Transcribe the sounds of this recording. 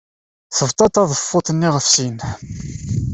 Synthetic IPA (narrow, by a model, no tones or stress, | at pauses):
θəvt̪ˤɑt̪ɑðˤəfːʊt̪ˤənːiʁəfsin